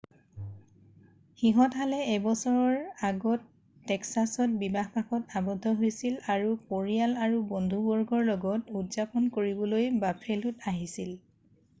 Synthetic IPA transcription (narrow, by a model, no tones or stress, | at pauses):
xiɦɔtɦalɛɛbɔsɔɹɔɹaɡɔtː | ɛksasɔt̚bibaxpakɔtabɔdʱːɔɦojsilaɹupoɹijalaɹubɔndʱubɔɹɡɔɹlɔɡɔtudzapɔnkoɹibɔlojbapʰelutaɦisil